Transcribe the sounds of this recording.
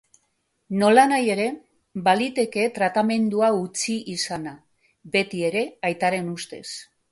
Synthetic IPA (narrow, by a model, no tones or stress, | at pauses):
no̞lanaje̞ɾe̞ | balit̪e̞ke̞t̪ɾat̪ame̞nd̪uaut͡siʔisana | be̞t̪ie̞ɾe̞ajt̪aɾe̞nust̪e̞̰s